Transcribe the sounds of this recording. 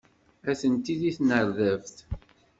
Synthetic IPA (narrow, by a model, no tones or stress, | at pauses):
æθənt̪iðiθnəɾðævθ